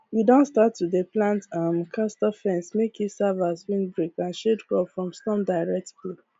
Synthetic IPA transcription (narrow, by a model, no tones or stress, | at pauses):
widõntstatːudeplãntamkʰastɔfɛ̃nsmekʰjisavaswĩnbɹekãnʃedkɔpfɹɔ̃mstɔ̃mdaɪɹɛk̚tple